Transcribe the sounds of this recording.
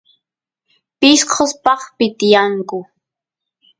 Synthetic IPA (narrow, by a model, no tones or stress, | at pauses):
pɪʃqʰospɑχpɪt̪ɪjaŋkʊ